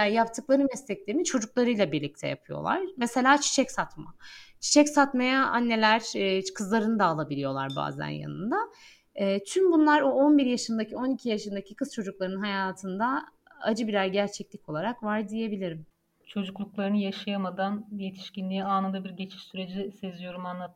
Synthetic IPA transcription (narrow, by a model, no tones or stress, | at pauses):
ajap̚t̪ʰɯklˠaɾɯnmɛslʲɛclʲeimit͡ʃʰo̞d͡ʒuk̚lˠaɾɯjlˠabiɾlʲic̚t̪ʰɛja̰pʰɯjo̰lˠa̰ɾ̥mese̞lʲaːt͡ʃʰi̥ʃʰɛcsat̪ma̰t͡ʃʰi̥t͡ʃɛcsat̪majaa̰nːe̞lʲæɾ̥ːkʰɯzlˠaɾɯnɯd̪aːlˠabilʲijo̞lˠa̰ɾba̰ːzæ̰nja̰nɯ̰nd̪a | ɛːt̪ʰymbunlˠaɾoo̞nbiɾjaʃɯnd̪acʰio̞nicʰijaʃɯnd̪acʰikʰɯzt͡ʃʰo̞d͡ʒuk̚lˠaɾɯɯnɦajaːt̪ʰɯnd̪a | a̰d͡ʒɯbiɾæɾɟæɾt͡ʃʰɛclʲicʰo̞lˠaɾakvaɾd̪ije̞bilʲiɾim | t͡ʃʰo̞d͡ʒuklˠuklˠaɾɯnɯjaʃajamad̪anje̞t̪ʰi̥ʃcinlʲijiaːnɯnd̪abiɾɟe̞t͡ʃʰi̥ʃsyɾe̞d͡ʒisezijo̞ɾumanlˠa